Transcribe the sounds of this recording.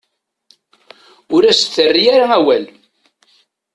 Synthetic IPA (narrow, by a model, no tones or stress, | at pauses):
ʊɾæsθːərːijaɾaæwæl